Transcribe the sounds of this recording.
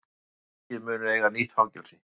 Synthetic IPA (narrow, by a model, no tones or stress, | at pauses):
cɛmʏːnʏejɣaniht̪hawcɛlsɪ